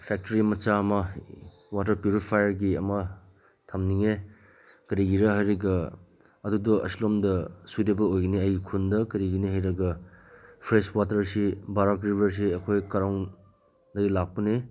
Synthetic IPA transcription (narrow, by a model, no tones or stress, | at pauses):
pʰɛk̚toɾimɐt͡ʃamɐ | wat̬ɐɾpjuɾipʰajɐɾɡiɐmɐ | tʰamniŋe | kɐɾiɡiɾɐɦajɾɐɡɐ | ɐdudoʔɐ̰slomdɐsudɐbɐojɡiniɐjikʰundɐkɐɾiɡiniɦajɾɐɡɐ | pʰɾeswatɐɾsibaɾakɾibʱɐɾs̬iɐkʰojkɐɾaŋ | dɐɡilak̚pɐni